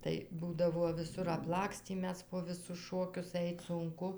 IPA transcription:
tɐɪ ˈbuːdɐʋuɔ ʋʲɪˈsʊr ɐpˈlˠɑːksʲtʲiː ˈmʲɛs poː ˈʋʲɪsʊs ˈʃoːkʲʊs ˈɐɪt sʊŋˈkʊ

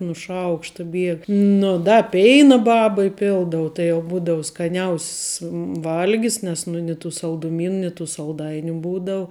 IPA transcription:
nʊ ˈʃɐʊkʃtɐ ˈbʲiɛk ˈnʊ dɐ ˈpʲɛɪnɐ ˈbɑːbɐ ɪˈpʲɪlˠdɐʋʊ tɐɪ jɛʊ ˈbuːdɐʋʊ skɐˈnʲɛʊsʲs ˈʋɐlʲɡʲɪs nʲɛs ˈnʊ nʲɪ tuː sɐlˠdʊˈmʲiːn nʲɪ tuː sɐlˠˈdɐɪnʲʊ ˈbuːdɐʊ

